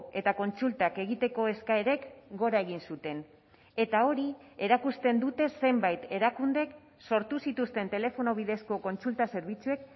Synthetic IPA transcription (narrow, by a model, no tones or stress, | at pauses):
e̞t̪ako̞nt͡sult̪ake̞ɣit̪e̞ko̞e̞skae̞ɾe̞kɡo̞ɾae̞ɣ̞insut̪e̞n | e̞t̪ao̞ɾie̞ɾakust̪e̞nd̪ut̪e̞se̞mbajt̪e̞ɾakund̪e̞k | so̞ɾt̪usit̪ust̪e̞nt̪e̞le̞fo̞noβiðe̞sko̞ko̞nt͡sult̪ase̞ɾβ̞it͡sue̞k